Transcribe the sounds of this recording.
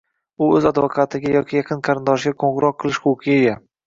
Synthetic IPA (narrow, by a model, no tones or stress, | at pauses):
ʊɵzad̪vokʰat̪ʰɪɡʲajɒkʲʰijɑqʰɨnqʰɑɾɪnd̪ɒʃɡʲakʰoɴɡɾɒqʰːɨlˠɪʃχʊwqʰɨejʲa